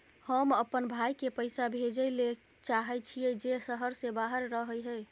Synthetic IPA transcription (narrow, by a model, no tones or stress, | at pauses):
həməpənbʱajkepəjsabʱed͡ʒəjle | t͡ʃaɦɛt͡ʃʰijɛd͡ʒesəɦəɾsẽbaɦəɾːəɦəjɦɛ